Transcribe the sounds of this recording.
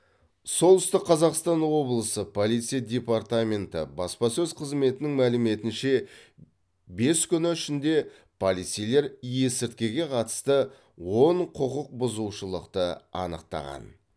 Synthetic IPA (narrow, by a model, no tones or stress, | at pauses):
so̞lˠʏst̪ɪqʰːɑzɑqst̪ɑnwo̞blˠəsəpʰo̞lˠijt̪sijadʲe̞part̪amʲe̞nt̪ɪ̰bɑspɑsɵzqʰəzme̞t̪ɪnɪŋmælɪme̞t̪ɪnʃe̞ | be̞skʲʰʏnɪʏʃɪnd̪e̞ | pʰolˠijt̪sijle̞ɾje̞sɪɾt̪̚kʲe̞ɡʲe̞qʰɑt̪ə̥st̪ə | wo̞ɴqʰʊqəq̚bʊzuwʃəlˠəqt̪əɑ̰nəqt̪ɑ̰ʁɑ̰n